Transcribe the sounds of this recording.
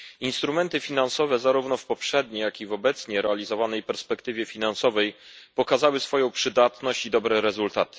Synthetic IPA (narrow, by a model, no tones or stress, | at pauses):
inst̪ɾumɛnt̪ɘfʲinansɔvɛzaɾuvnɔfpɔpʂɛd̪ɲejakʲivɔbɛt̪sɲɛɾɛalʲizɔvanɛjpɛɾspɛkt̪ɘvʲjɛfʲinansɔvɛjpɔkazawɘsfɔjɔ̃w̃pʂɘd̪at̪nɔɕt͡ɕid̪ɔbɾɛɾɛzult̪at̪ɘ̥